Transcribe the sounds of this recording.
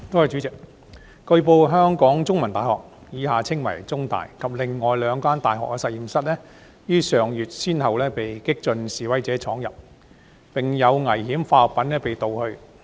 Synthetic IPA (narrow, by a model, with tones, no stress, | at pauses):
t̪o˥whɐ˨jt͡ʃy˨˥t͡sɪ˨k̚ | kɵ˧ɥpo˧wɦœː˥ŋkɔː˨˥ŋt͡sʊ˥ŋmɐ˨˩nt̪aː˨˩hɔ̰ː˨k̚jiː˨˥ɦaː˨t͡sʰɪ˥ŋmɐ˨˩jt͡sʊ˥ŋt̪a̰ː˨jkʰɐ˨p̚lɪ˨ŋːɔː˨˩jlœː˨˧ŋkaː˥nt̪aː˨jɦɔ̰ː˨k̚ːɛː˧sɐ˨t̚jiː˨msɐ˥t̚lɛː˥ | jyː˥sœː˨˩ŋjyː˨˩t̚siː˥nhɐ˨wlɛː˥pe˨jkɪ˥k̚t͡ʃɵ˧nsiː˨wɐ˨˥jt͡sɛː˨˥t͡sʰɔː˨˥ŋjɐ˨p̚ | pɪ˨ŋjɐ˨˧wŋɐ˨˩jhiː˨˥mfaː˧ɔ˨p̚pːɐ˨˥nlɛː˥pe˨jt̪o˨whɵ˧ɥ